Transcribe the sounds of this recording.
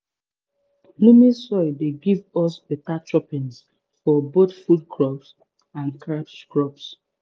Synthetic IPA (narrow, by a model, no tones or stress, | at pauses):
lumisɔɪdeɡivɔsbetat͡ʃɹɔpĩns | fɔboθfudkɹɔps | ãnkɹapskɹɔps